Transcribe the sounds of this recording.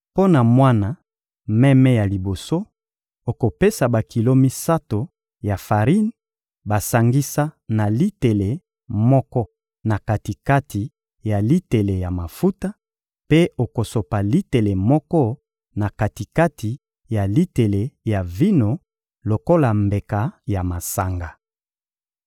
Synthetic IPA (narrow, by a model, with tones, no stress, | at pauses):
po˦na˨mwa˦na˨ | mɛ˦mɛ˦ja˨li˨bo˨so˦ | o˨ko˨pe˦sa˨ba˨ki˨lo˦mi˦sa˦to˨ | ja˨fa˨ʁi˦n | ba˨sa˨ŋɡi˦sa˦na˨li˦te˨le˨ | mɔ˦kɔ˦ | na˨ka˨ti˨ka˦ti˨ | ja˨li˦te˨le˨ja˨ma˨fu˦ta˦ | pe˦o˨ko˨so˨pa˨li˦te˨le˨mɔ˦kɔ˦ | na˨ka˨ti˨ka˦tʰi˨ | ja˨li˦te˨le˨ja˨vi˦no˨ | lo˨ko˦la˨mbe˨ka˨ja˨ma˨sa˨ŋɡa˨